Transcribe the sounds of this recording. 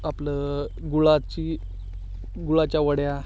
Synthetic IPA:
aplə | ɡuɭat͡ɕi | ɡuɭat͡ɕjaʋəɽja

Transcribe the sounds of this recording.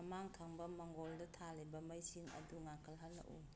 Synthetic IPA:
ɐmaŋtʰaŋbɐmaŋɡɔldɐtʰalajbɐmajsiŋɐ̰duŋakʰɐlɦalːa̰ʔṵ

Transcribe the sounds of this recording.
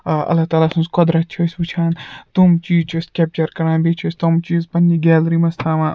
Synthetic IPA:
ɐ̰lːaːt̪aːlaːsũnzkɔd̪ɾɐt̪̚t͡ʃʰosʲbɨt͡ʃʰaːnt̪umt͡ʃiːt͡ʃʰoskʲep̚t͡ʃɐɾkɐɾãːnbet͡ʃʰosʲt̪omt͡ʃispɐnʲiɡʲɛːlɾimɐst̪ʰaːmãː

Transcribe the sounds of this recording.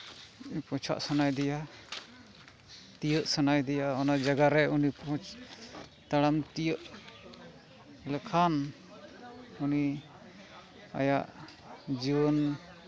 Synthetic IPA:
pɔ̃t͡ʃʰa̰ʔsanajd̪ɛja | t̪ijəʔsanajd̪ɛjaɔnad͡ʒaɡaɾɛunipʰɔ̃ | t̪aɽamt̪ijəʔ | ləkʰan | uni | a̰jaʔ | d͡ʒibɔn

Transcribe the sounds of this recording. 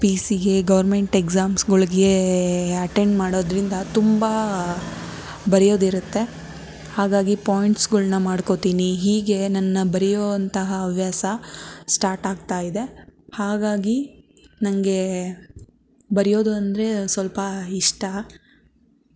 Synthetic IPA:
piːsiɡe̞ɡɐʋɐɾme̞ɳʈeɡzaːmsɡɐɭiɡeɐʈe̞ɳɖmaːɽo̞ːd̪ɾind̪ɐt̪umbɐ | bɐɾɛjo̞ːd̪iɾut̪ːe̞ | haːɡaːɡipoːjiɳʈsɡɐɭnɐmaːɽko̞t̪iːniɦiːɡe̞nɐnːɐbɐɾijoːɐnt̪ɐɦɐːʋʱjaːsɐsʈaːɾʈaːɡ̚t̪aːjid̪e̞haːɡaːɡi | nɐŋɐɡe̞ | bɐɾijo̞ːd̪uɐnd̪ɐɾe̞sʋɐlpɐiʂʈɐ

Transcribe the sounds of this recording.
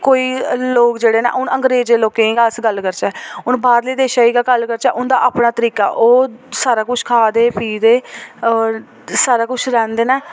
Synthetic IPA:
koːiːloːkd͡ʒeːɽeːnɛ̰ːʔʊnəŋɡɾeːzeːloːkẽiːɡaːsɡəlkəɾt͡ʃɛːʊnbaːɾleːd̪eːʃaːiːɡaːɡəlkəɾt͡ʃɛːʔʊnd̪aːʔaːpɳaːt̪əɾiːka̰ːʔoːsaːɾaːkʊt͡ʃʰkʰaːd̪eːpiːd̪eː | saːɾaːkʊt͡ʃʰɾɛ̃ːnd̪eːnɛː

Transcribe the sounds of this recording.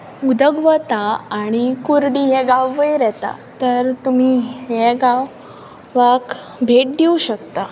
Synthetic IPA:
ud̪əɡʋət̪aːɽ̃ikuɾɽiɦɛ̃ɡawːəjɾɛt̪a̰t̪əɾt̪um̤iɦeɡaʋ | ʋak | bʱeʈ̚d̪iuɕəkt̪a

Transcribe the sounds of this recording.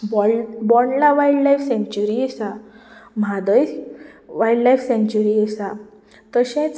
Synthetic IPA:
bɔbɔɳlaʋajɽlajfsẽɲt͡ɕuɾiɛsamad̪əjʋajɖlajfsẽɲt͡ɕuɾiesa | t̪əɕɛ̃t͡s

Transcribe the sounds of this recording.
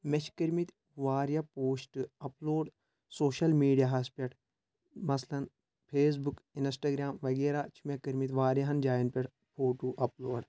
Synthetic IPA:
met͡ʃʰkiɾmit̪ | ʋaːɾjapoːsʈɨɐploːɖ | soːʃɐlmiːɖijaɦɐspʲɐʈʰ | mɐslɐn | pʰeːs̬bukinsʈaːɡɾaːmʋɐɡeːɾat͡ʃʰimekɐɾmit̪ʋaːɾjɐɦɐnd͡ʒaːjɐnpʲɐʈ | pʰoːʈuːʔɐploːɖ

